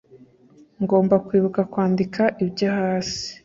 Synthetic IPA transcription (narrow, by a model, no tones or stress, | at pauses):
ŋɡo̞ːmbakwiːβukakwaːndikaʔibɟahaːsi̥